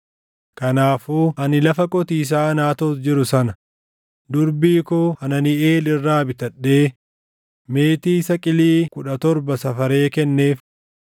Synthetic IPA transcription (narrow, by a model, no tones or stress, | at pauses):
kɐnaːfuːʔɐnɪlɐfɐkʼɔt̪iːs̬aːnaːt̪oːsd͡ʒɪɾʊsɐnɐ | d̪ʊɾbiːkoːɐnɐnɪeːlɪrːaːbɪt̪ɐᶑːe̞ː | me̞ːt̪iːsɐkʼɪliːkʊᶑɐt̪ɔɾbɐsɐfɐɾe̞ːkɛnːe̞ːf